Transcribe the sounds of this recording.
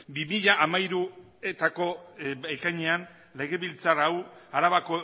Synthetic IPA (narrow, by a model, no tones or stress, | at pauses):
bimiʎaʔamaiɾu | e̞t̪ako̞ekajɲe̞an | le̞ɣe̞βilt͡sarawaɾaβako